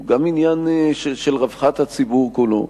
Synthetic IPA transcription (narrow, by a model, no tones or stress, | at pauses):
ɡaminjanʃeʃelʁavχat̪hat͡sibuʁkulo̰